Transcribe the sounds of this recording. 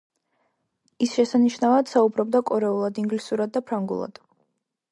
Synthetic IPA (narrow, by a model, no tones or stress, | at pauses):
isʃɛsaniʃnavad̪̥saubɾɔb̚d̪akʼɔɾɛulˠad̪iŋɡlisuɾad̪̚ːapʰɾaŋɡṵlˠa̰d̪̥